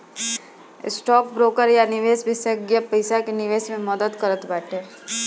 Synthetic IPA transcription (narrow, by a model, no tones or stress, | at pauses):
ɪ̰sʈɔːk̚bɾoːkəɾjanɪʋeːsbɪsəɡjəpɐɪsakenɪʋeːsmẽmɐd̪əd̪kɐɾət̪bɛːʈʰeː